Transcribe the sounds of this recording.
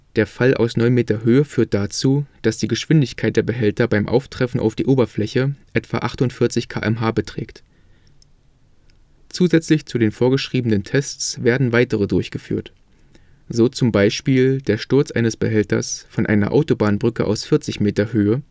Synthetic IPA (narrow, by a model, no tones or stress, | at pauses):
d̥eːɐfalʔa̰ʊsnɔʏnmeːtɐɦøːəfyːɐt̚d̥at͡suːd̥asd̥iːɡəʃv̥ɪndɪçkʰaɪtd̥eːɐbəɦɛltɐbaɪmʔa̰ʊftʁ̥ɛfn̩ʔa̰ʊfd̥iːʔoːbɐflɛçəʔɛtv̥a̰ʔaχtʊntfɪɐt͡sɪçkʰa̰ːʔɛmɦaːbətʁ̥ɛ̰ːkt | t͡suːzɛt͡slɪçt͡sudeːnfoːɐɡəʃʁ̥iːbənəntʰɛst͡sv̥eːɐdn̩vaɪtəʁədʊɐçɡ̥əfy̰ːɐt | z̥oːt͡sʊmbaɪʃpiːldeːɐʃtʊɐt͡sʔa̰ɪnəsb̥əɦɛltɐ̰sfɔnʔa̰ɪnɐ̰ʔa̰ʊtobaːnbʁʏkə̰ʔa̰ʊsfɪɐt͡sɪçmeːtɐhøːə